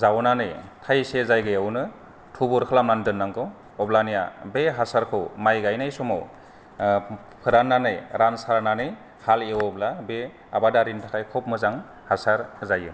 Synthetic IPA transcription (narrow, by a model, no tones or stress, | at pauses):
zawnanɯjtʰajsezajɡɯjawnɯ | tʰubɔɾkʰɯlamnandɯnːaŋkʰɯw | ɔblanija̰beɦasaɾkʰɯwmajɡajnajsɔmaw | pʰɯɾanːanɯjɾansaɾnanɯj | halewɔblabe | a̰badaɾintʰakʰajkʰɔp̚mɯzaŋ | hasaɾzajɯ